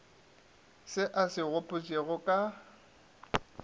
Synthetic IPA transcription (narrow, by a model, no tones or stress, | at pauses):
sɪʔasɪɣʊpʼʊt͡sʼeɣʊkʼa